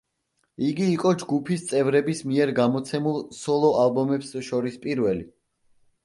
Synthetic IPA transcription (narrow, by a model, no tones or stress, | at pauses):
iɡiːqʼɔd͡ʒɡupʰist̪sʼɛvɾɛbismiɛɾɡamɔt̪sʰɛmulˠsɔlˠɔʔalˠbɔmɛpsʃɔɾispʼiɾvɛli